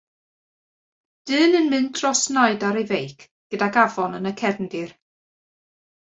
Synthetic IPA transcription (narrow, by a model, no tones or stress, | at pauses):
d̥ɨːnɨnmɨndrɔsnaɨdaɾejvejkʰ | ɡ̥ədaɡavɔnənəkʰɛrndɪr